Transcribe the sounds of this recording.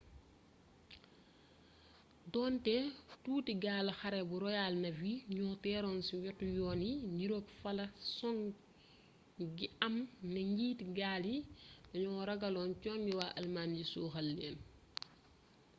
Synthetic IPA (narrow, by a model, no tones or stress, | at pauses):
dɔːntɛtuːtiɡaːlɐxɐɾɛbuɾɔjaːlnɐviɲɔːtɛːɾɔːnsiwɛtːujɔːniɲiɾokfɐlɐsɔŋ | ɡiɐmnɐɲɡiːtiɡaːlidɐɲɔŋɔɾɐɡɐlɔːnt͡ʃɔːnɡiwaːʔɐlmaːnɟisuːxɐlːɛːn